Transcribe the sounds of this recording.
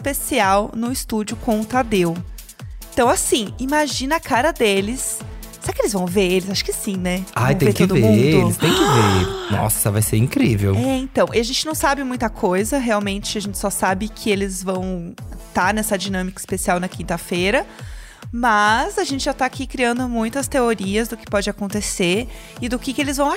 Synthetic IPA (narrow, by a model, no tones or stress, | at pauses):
ɪspesiawnʊɪst̪ud͡ʒʊkõʊt̪ad̪ew | ẽt̪ɐ̃w̃asĩimaʒĩnɐakaɾɐd̪elɪs | seɾakɪelɪzvɐ̃w̃veɾelɪzaʃʊ̥kɪsĩnɛaj̪̃ẽẽk̪ɪod̪ʊvemũd̪ʊlɪst̪ẽj̃kɪvenɔ̰sɐɛsɐvajseɾĩkɾivḛwɛẽt̪ɐ̃w̃ʔiaʒẽnt͡ʃɪnɐ̃w̃sabɪmũj̃t̪ɐkʰojzɐɦeawmẽnt͡ʃɪaʒẽnt͡ʃɪ̥sɔsabɪkʰɪelɪzvɐ̃w̃t̪aɾnɛsɐd͡ʒinɐ̃mikɐi̥spesiawnɐkĩnt̪ɐfeɾɐ | mɐzaʒẽntt͡ʃɪʒat̪aːkikɾiɐ̃nd̪ʊmũj̃t̪ɐst̪eoɾiɐzd̪ʊkɪ̥pɔd͡ʒɪakõnt̪eseɾ | ɪd̪ʊkɪkɪelɪzvɐ̃w̃